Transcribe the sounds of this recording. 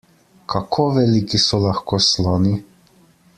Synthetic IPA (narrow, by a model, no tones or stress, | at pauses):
kʰakʰoːʋɛlikisɔlaxkoslɔːni